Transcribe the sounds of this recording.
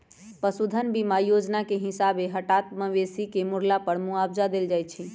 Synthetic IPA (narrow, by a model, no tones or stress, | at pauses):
pəsud̪ʱənbimajod͡ʒnakeɦisabeɦəʈat̪məʋesikemuɾlapəɾmuabd͡ʒad̪eld͡ʒajt̪̚t͡ʃʰi